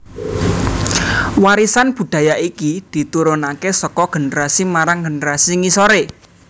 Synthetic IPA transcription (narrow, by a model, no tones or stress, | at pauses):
waɾisanb̥ṳd̪̥a̤jaʔikid̪̥i̤t̪uɾʊnakesɔkɔɡ̥ə̤nəɾasimaɾaŋɡə̤nəɾasiŋisoɾe